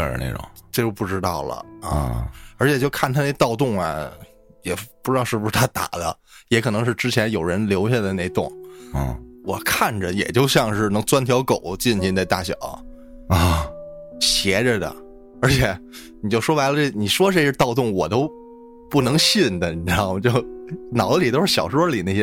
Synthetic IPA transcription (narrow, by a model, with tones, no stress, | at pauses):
ə˥˩nḛ˥˩ɪʈ͡ʂʊ̰˨˩˦ŋʈ͡ʂɤ˥˧˩t͡ɕjo˥˧ʊpu˥˩ʈ͡ʂɻ̩˥t̪ɑ˥˩ʊlə̰˩ə̰˧˥˩ə˞˧˥t͡ɕʰjɛ˨˩t͡ɕjo˥˧ʊkʰa˥˩nt̪ʰa˥ne˥˧˩ɪt̪ɑ˥˧ʊt̪̬ʊ˥˩ŋɐ̰˩ | jɛ˨˩pu˥˧ʈ͡ʂɻ̩˥t̪ɑ˥˧ʊʂɻ̩˥˩bu˧ʂɻ̩˥˩t̪ʰa˥t̪a̰˨˩d̪ə̰˦ | jɛ˧˥kʰɤ˨˩nɤ˧˥ŋʂɻ̩˥˧ʈ͡ʂɻ̩˥t͡ɕʰjɛ˧˥njo˨˩ʊɻə˧˥nljo˧˥ʊɕ̬ja˥˧d̪ə˨˩ne˥˧ɪt̪ʊ˥˩ŋ˥˩ | wɔ˨˩kʰa˥˩nʈ͡ʂə˩jɛ̰˨˩t͡ɕjo˥˧ʊɕjɑ˥˧ŋʂɻ̩˥˩nɤ˧˥ŋt͡swa˥nt̪ʰjɑ˧˥ʊko˨˩˦ʊt͡ɕi˥˩nɕʰnt͡sa˥˧ɪt̪a̰˥˩ɕjɑ̰˨˩˦ʊ˧ | ɕjɛ˧˥ʈ͡ʂə˧d̪ə̰˩ | ə˞˧˥t͡ɕʰjɛ˧˥ | ni˨˩t͡ɕjo˥˩ʊʂwɔ˥la˧˥ɪlə˧ʈ͡ʂe˥˩ni˨˩ʂwɔ˥˧ʈ͡ʂɕɛ˥t̪ɑ˥˧ʊt̪ʊ˥˩ŋwɔ˨˩t̪o˥ʊ | pu˥˩nɤ˧˥ŋɕi˥˩nd̪ə˨˩˧t͡ɕjo˥˧ʊnɑ˨˩ʊlə˦li˨˩t̪o˥ʊʂɻ̩˥˩ɕjɑ˨˩ʊʂwɔ˥li˨˩ne˥˩jɛ˥